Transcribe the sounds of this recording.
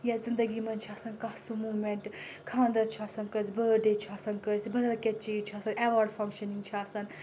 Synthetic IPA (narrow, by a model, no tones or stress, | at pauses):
jɐzɨnd̪ɐɡimɐnt͡ʃʰiaːsɐnkɐhsumuːmeɳʈkʰãːnd̪ɐt͡ʃʰaːsɐnkɐsʲbəːɖeːt͡ʃʰaːsɐnkəsʲbɐd̪ɐlkʲɐt̚t͡ʃiːt͡ʃʰaːsɐneʋaɾɖfɐŋkʃɐniŋɡt͡ʃʰiaːsɐn